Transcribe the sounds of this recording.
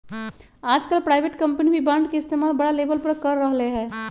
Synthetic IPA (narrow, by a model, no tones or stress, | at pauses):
aːd͡ʒkəlpɾaːɪʋeːʈkɐ̃mpnibʱibãːɳɖkeɪst̪eːmaːlbɐɽaleːbəlpəɾkəɾːəɦleɦɛ̃ː